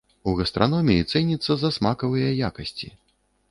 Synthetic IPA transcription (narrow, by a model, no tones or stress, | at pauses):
uɣɐst̪ɾʔanɔmʲijit̪sɛnʲit̪sːɐzɐsmakɐvɨjɐjakɐsʲt͡sʲi